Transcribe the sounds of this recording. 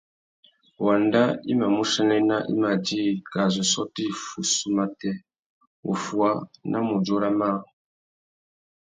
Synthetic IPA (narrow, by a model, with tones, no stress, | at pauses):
wa˨nda˦i˦ma˨mu˦ʃa˦nɛ˦na˦ʔḭ˦ma˨d͡ʒi˦˨ka˨zɔ˨sɔ˦ti˦˨fu˨su˦ma˦tɛ˦ | ṵ˨fwa˦nʔa̰˦mu˨d͡ʒo˦ɾa˦ma˦˨